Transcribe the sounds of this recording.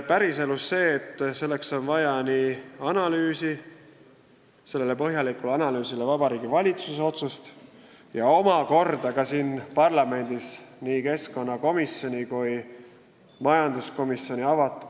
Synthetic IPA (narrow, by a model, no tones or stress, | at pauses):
pæɾise̞lusːe̞ːt̪ːˑse̞lːe̞kso̞nvɑjɑniːɑnɑlyːsi | se̞lːele̞pɤɦjɑlikulɑnɑlyːsilevɑb̥ɑɾiːɡivɑlʲit̪suseo̞t̪sust̪ | jɑo̞mɑko̞rd̪̥ɑkɑsiːnpɑrlɑme̞nʲd̪̥isniːke̞sko̞nːɑko̞misjo̞nʲikuj | mɑjɑnd̪̥usko̞misjo̞nʲiɑvɑt̪ːˑ